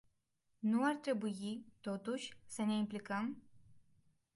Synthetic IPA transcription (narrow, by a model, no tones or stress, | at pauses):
nuart̪ɾe̞bujit̪ot̪uʃʲsəne̞implikəm